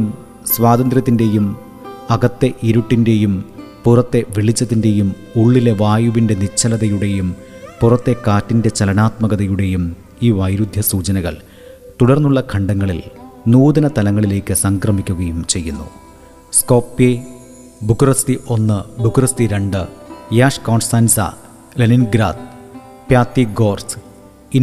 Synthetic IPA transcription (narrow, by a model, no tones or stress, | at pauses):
m | sʋaːd̪ɐnd̪rɾjɐt̪ːinde̞jum | ɐɡɐt̪ːe̞ʔiɾuʈːinde̞jum | purɐt̪ːe̞ʋiɭit͡ɕːɐt̪ːinde̞jum | uɭːile̞ʋaːjuʋinde̞nit͡ɕʰːɐlɐðɐjuɽe̞jum | purɐt̪ːe̞kaːtːinde̞t͡ɕɐlɐnaːt̪mɐɣɐðɐjuɽe̞jum | iːʋɐjɾud̪ʱjɐsuːt͡ɕɐnɐɣɐ̰ɭ | t̪uɽɐrnːuɭːɐkʰɐɳɖɐŋːɐɭilnuːd̪ɐnɐt̪ɐlɐŋːɐɭile̞ːkʲːɨsɐŋkrɐmikʲːuɣɐjumt͡ɕe̞jːunːṵ | sko̞ːpːje | bukurɐst̪iʔo̞nːɨbukurɐst̪iɾeɳɖɨjaːʂkoːɳsaːnsɐ̰ | lɐninɡɾaːd̪̚ | pjaːt̪ːiɡo̞ːrs | in